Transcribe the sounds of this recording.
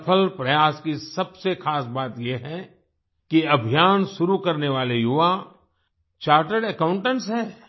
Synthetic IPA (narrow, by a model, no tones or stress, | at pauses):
pʰəlpɾɐjaːskisɐbsexaːsbaːt̪jeɦɛ | kiɐbʱijaːnʃʊɾukɐɾneʋaːlejuʋa | t͡ʃaːɾʈəɖɛkãːʊ̃ɳʈə̃ɳʈsɦɛː